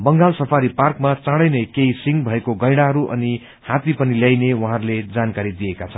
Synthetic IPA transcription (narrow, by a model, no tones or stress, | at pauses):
bʌŋɡalsʌpʰaɾiparkmat͡sãɽʌjnekeisiŋɡbʱʌekoɡʌjɽ̃aɦʌɾuʔʌ̰ni | hãt̪ipʌniljajnewaɦãɾuled͡zankaɾid̪iekat͡sʰʌnn